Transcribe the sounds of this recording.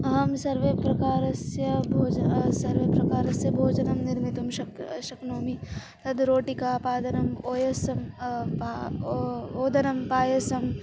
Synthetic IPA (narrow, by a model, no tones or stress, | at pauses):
ɐɦɐmsɐɾʋepɾɐkaːɾɐsjɐbʱoːd͡ʒsɐɾʋepɾɐkaːɾɐsjɐbʱoːd͡ʒɐnɐmnɪɾmit̪umʃɐʃɐknoːmi | t̪ɐd̪ɾoːʈikaːpaːd̪ɐnɐmoːjɐsɐmpa | oːd̪ɐnɐmpaːjɐsɐm